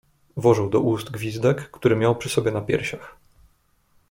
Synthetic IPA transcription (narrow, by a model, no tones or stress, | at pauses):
vɔʐɘwd̪ɔʔust̪ɡvʲizd̪ɛkːt̪uɾɘmʲjawpʂɘsɔbʲjɛnapʲjɛ̰ɾɕax